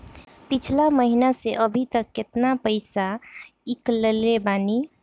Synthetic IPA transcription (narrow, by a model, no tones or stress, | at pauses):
pɪt͡ʃʰlaməɦinaseʔəbʱit̪əkːɪt̪napəɪsaiklelebaːni